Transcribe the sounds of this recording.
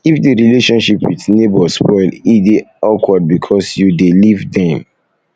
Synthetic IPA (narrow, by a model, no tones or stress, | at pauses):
ifdeɹileʃɔ̃nʃipwiθnebɔspʰɔɪlideɔkʰwad̚bikʰɔsjudelivdɛ̃m